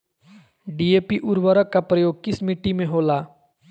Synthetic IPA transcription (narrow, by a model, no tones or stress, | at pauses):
ɖieːpiʔʊɾʋəɾəkːapɾəjoːɡ̚kɪsmɪʈːimẽɦoːlaː